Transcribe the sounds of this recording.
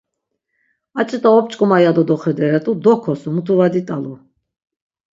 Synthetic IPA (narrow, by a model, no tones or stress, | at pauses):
at͡ʃʼɛt̪ʼaɔp̚t͡ʃʼkʼɔmajad̪ɔd̪ɔχɛd̪ɛɾɛt̪ʼud̪ɔhkʰɔsumut̪ʰuvad̪it̪ʼalu